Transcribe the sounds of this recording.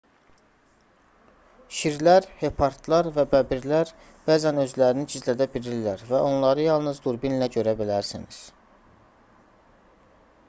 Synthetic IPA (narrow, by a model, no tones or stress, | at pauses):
ʃiɾlæɾhe̞pʰɑɾt̪ʰlˠɑɾvæbæbiɾlæɾ | b̥æːzænø̞zlæɾinid͡ʒizlæd̪æbiɾilːæɾvæo̞nlˠɑɾɯjɑlˠnɯzd̪uɾbinlæɟø̞ɾæbilæɾsiniz̥